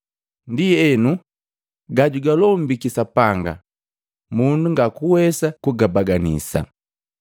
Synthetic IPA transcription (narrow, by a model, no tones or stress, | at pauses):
ndiɛnu | ɡaɟuɡalɔm̩bikisapaŋɡa̰ | munduŋɡakuwɛsakuɡabaɡanḭsa̰